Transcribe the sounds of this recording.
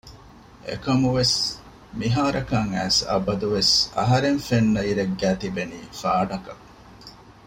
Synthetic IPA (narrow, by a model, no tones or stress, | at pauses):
ʔḛkɐmuʋes | miɦaːɾɐkɐŋæːsɐ̰bɐd̪uʋesɐ̰ɦɐɾeŋfenːɐiɾeɡːæːt̪ibeniːfaːɖɐkɐ